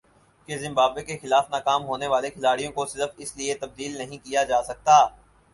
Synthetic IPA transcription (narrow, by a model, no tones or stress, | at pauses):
kezɪ̃mbaːbekexɪlaːfnaːkaːmɦoːneʋaːlekʰɪlaːɽijõkosɪləfɪsliet̪ɐb̚d̪iːlnɐɦĩkijad͡ʒaːsɐk̚t̪aː